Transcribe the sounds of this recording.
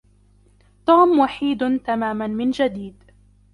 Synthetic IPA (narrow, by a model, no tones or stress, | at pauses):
t̪uːmwaħiːd̪t̪amaːmanmɪnd͡ʒad̪iːd̪